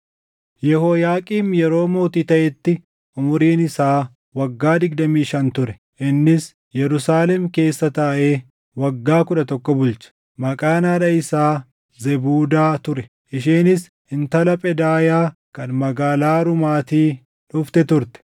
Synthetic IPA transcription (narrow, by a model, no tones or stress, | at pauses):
jɛhoːjaːkʼiːmjɛɾo̞ːmo̞ːt̪iːt̪ɐʔɛt̪ːɪ | ʔʊmʊɾiːnɪsaː | wɐɡːaːd̪ɪɡ̚d̪ɐmiːʃɐnt̪ʊɾɛ̥ | ʔɪnːɪs | jɛɾʊsaːlɛmke̞ːsːɐt̪ɐːʔe̞ː | wɐɡːaːkʊᶑɐt̪ɔkːɔbʊlt͡ʃɐ̥ | mɐkʼaːnaːᶑɐɪsaː | zɛbuːd̪aːt̪ʊɾɛ | ʔɪʃiːnɪs | ɪnt̪ɐlɐpʼɛd̪aːjaːkɐnmɐɡaːlaːɾʊmaːt̪iː | ᶑʊft̪ɛt̪ʊɾt̪ɛ̥